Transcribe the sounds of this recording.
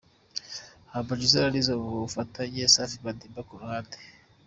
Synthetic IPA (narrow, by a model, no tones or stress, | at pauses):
habad͡ʒuzaɾaɾizaβuβufatʰaɲesafiβadiːmbakuɾuhaːnde̥